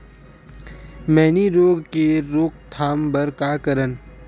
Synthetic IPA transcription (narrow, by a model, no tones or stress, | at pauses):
mɛːniɾoːɡkeɾoːkt̪ʰaːmbəɾkaːkəɾən